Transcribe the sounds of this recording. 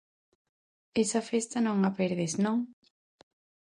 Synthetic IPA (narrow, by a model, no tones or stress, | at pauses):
esɐfest̪ɐnõŋapeɾðeznõŋ